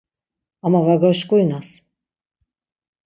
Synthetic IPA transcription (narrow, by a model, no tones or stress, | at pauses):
amavaɡaʃkujnas